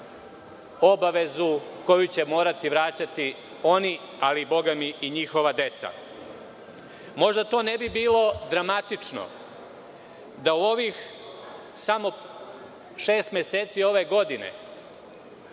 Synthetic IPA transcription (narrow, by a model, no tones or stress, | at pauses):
o̞baʋe̞zuko̞jut͡ɕemo̞ːɾat̪iʋɾat͡ɕat̪i | o̞ni | alibo̞ɡamiʔiɲixo̞ʋad̪e̞t̪sa̰ | mo̞ʒd̪at̪o̞ːnebibiːlo̞d̪ɾamat̪it͡ʂno̰ | d̪auo̞ʋix | samo̞ | ʃeːst̪mʲese̞ːt̪sio̞ʋe̞ɡo̞d̪inḛ